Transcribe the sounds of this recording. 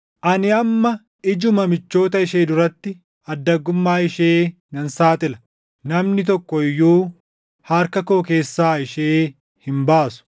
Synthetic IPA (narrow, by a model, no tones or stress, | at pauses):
ʔɐnɪɐmːɐ | ɪd͡ʒʊmɐmɪt͡ʃːo̞ːt̪ɐɪʃe̞ːd̪ʊɾɐt̪ːɪ | ɐd̪ːɐɡʊmːaːɪʃeː | nɐnsaːt̪ʼɪlɐ̥ | nɐmnɪt̪̬ɔkːɔɪjːuː | hɐːɾkɐko̞ːke̞ːsːaːɪʃeː | hɪmbaːsʊ̥